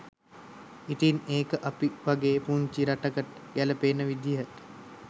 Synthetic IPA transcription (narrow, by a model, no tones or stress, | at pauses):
it̪ineːkəʔapiʋaɡeːpuɲt͡ʃiɾaʈəkəʈ̚ | ɡæləpeːnəʋid̪jət̪